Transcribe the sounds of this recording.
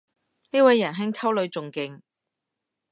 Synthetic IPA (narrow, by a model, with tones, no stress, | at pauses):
niː˥wɐ˨˧jːɐ˨˩nɦɪ˥ŋkʰɐ˥wlɵ˨˧ɥt͡sʊ˨ŋkɪ˧ŋ